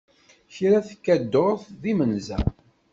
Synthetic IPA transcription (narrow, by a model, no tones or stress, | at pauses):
çɾæθkːæd̪ːoθðimənzæ̰